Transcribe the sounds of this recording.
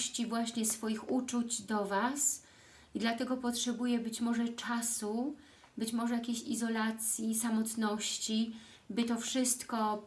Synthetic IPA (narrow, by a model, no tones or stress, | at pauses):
ɕt͡ɕivwaɕɲɛsfɔjixut͡ʂut͡ɕd̪ɔvas | id̪lat̪ɛɡɔpɔtʂɛbujɛbɘt͡ɕmɔʐɛt͡ʂasu | bɘt͡ɕmɔʐɛjakʲeɕizɔlat̪sʲjisamɔt̪nɔɕt͡ɕi | bɘt̪ɔfʂɘst̪kɔ